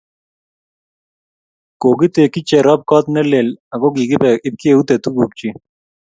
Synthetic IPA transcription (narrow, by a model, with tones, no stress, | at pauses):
ko˨ɡi˦t̪e˨ki˦t͡ʃɛ˨ɾɔ˦p̚kɔ˦t̪nɛ˦le˨la˨ɡɔ˦ɡi˨ɡɪ˦pɛ˨ɪ˦p̚ki˦e˦˨u˦t̪e˨t̪u˦ɡu˨k̚t͡ʃi˦